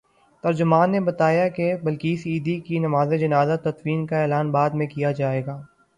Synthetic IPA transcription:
t̪ɐɾd͡ʒʊmaːnːebɐt̪aːjakebɐlkiɪsiːd̪ikinɐmaːzed͡ʒɐnaːzat̪ɐt̪wiːnkaeːlaːnbaːd̪mẽkijad͡ʒaːeːɡaː

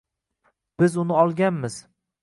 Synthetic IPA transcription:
b̥ɪzʊnɪɒlˠɡʲanmɪz̥

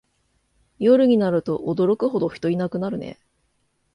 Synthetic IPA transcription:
jo̞ɾɯ̟ɲ̟inaɾɯ̟t̪o̞ʔod̪o̞ɾo̞kɯ̟ɦo̞d̪o̞çʲi̥t̪o̞inakɯ̟naɾɯ̟nḛ

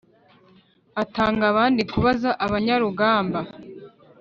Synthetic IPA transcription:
ataːŋɡaβaːndikuβazaʔaβaɲaɾuɡaːmba

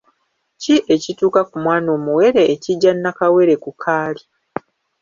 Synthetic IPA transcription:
ciʔe̞cituːkakumwaːno̞ːmuwe̞ɾe̞ʔːciɟːanːakawe̞ɾe̞kukʰaːli

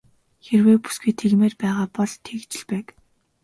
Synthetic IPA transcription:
xerweːpu̥sɡujt̪ʰeɣmeːrpæːʁaːpɔɮt̪ʰekt͡ɕɪ̆ɮpæːk

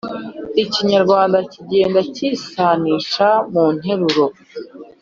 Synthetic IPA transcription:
iciɲaɾɡwaːndaciɟe̞ːndaciːsaːniːʃamuːn̥e̞ɾuɾo̞

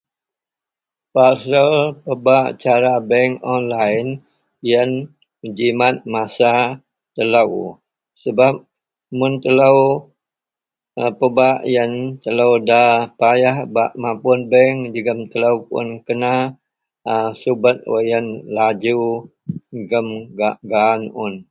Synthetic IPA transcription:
pasəlpəbaʔt͡ʃaɾabɛŋɔnlajn | jən | əd͡ʒimat̪̚masa | t̪əlaw | səbap̚ | mʊnt̪əlaw | əpəbaʔjənt̪ələwdapajahbaʔmapʊnbɛŋd͡ʒəɡəmt̪ələwpʊ̰nkəna | əsubət̪̚wo̰jənlad͡ʒu | ɡəmɡaʔɡanʊn

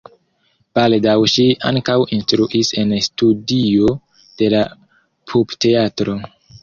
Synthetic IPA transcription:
b̥aldawʃia̰ŋkawinstɾuʔise̞nstudio̞ | d̥e̞la | pʰubte̞atɾo̞

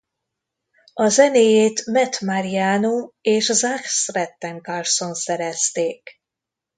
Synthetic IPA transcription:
ɒzɛneːjeːt̪mɛt̪maɾijaːnoeːʃzaksrɛt̪ːɛŋkarso̞nsɛɾɛst̪eːk

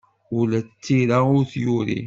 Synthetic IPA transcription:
ʊlæt͡sːiɾaʊɾθjuɾḭ

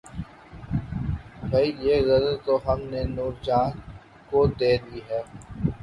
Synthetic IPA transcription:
bʱɐijeːɣɐzəlt̪oɦɐmnenuːɾd͡ʒaːn | kod̪eːd̪iːɦɛː

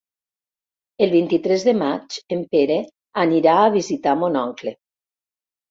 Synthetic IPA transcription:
elˠβint̪it̪ɾezðemat͡ʃempeɾe | aniɾaːβ̞izit̪amonɔŋkle

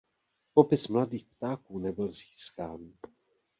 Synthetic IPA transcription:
po̞pɪsmladiːxp̚t̪aːkuːnɛbɪlziːskaːn

